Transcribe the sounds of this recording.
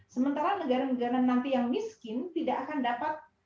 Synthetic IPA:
səmənt̪aɾanəɡaɾanəɡaɾamənant̪ijaŋmiskɪnt̪idaʔːkandapat̪̚

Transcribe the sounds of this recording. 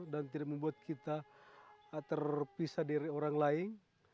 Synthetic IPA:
dant̪idak̚məmbuat̪̚kʰit̪a | t̪ərpisadaɾioɾaŋlaɪŋ

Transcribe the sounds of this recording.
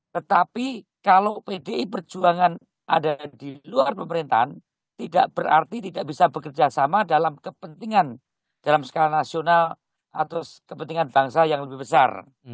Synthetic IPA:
t̪ət̪api | kalowpedeʔipərd͡ʒuaŋan | ʔa̰dadiluarpəməɾint̪a̰ɦan | t̪ida̰ʔb̥əɾʔa̰rt̪it̪idaʔb̥isabəkərd͡ʒasamadalamkəpənt̪iŋan | d̥alamsə̥kalanasional | ʔat̪ʊskəpənt̪iŋanbaŋsajaŋləbɪɦbəsa̰r

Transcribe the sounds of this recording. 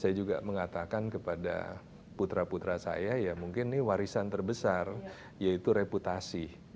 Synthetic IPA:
sajad͡ʒuɡaməŋat̪akankəpada̰ | put̪ɾaput̪ɾasa̰jajamuŋkɪnːɪwaɾisant̪ərbəsar | jait̪uɾeput̪asi

